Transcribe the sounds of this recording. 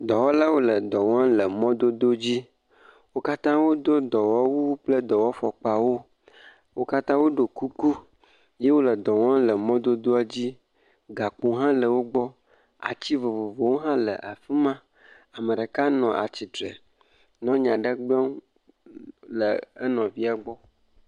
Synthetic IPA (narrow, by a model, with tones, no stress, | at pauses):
d̪ɔ˨wɔ˦la˦wo˦lə˨d̪ɔ˨wɔ̃˦lə˨mɔ̃˦d̪o˦d̪o˦d͡ʑi˦ | wo˦ka˦t̪ã˦wo˦d̪o˦d̪ɔ˨wɔ˦wu˦k͡plə˦d̪ɔ˨wɔ˦fɔ˨k͡pa˨wo˦ | wo˦ka˦t̪ã˦wo˦ɖo˨ku˦ku˦ | je˦wo˦lə˨d̪ɔ˨ŋɔ̃˦lə˨mɔ̃˦d̪o˦d̪o˦e˦d͡ʑi˦ | ɡa˨k͡pu˨ɦã˦lə˨wo˦ɡ͡bɔ˦ | a̰˨t͡ɕi˦vo˨vo˨vo˨wo˦ɦã˦lə̰˨ʔa˨fi˦mã˦ | a˨mə˨ɖe˨ka˦nɔ̃˨ʔa̰˨t͡ɕi˨t̪ɾe˨ | nɔ̃˦ɲã˨ɖə˦ɡ͡bɛ˦ŋ˦ | lə˨ə˦nɔ̃˨vi˦a˨ɡ͡bɔ˦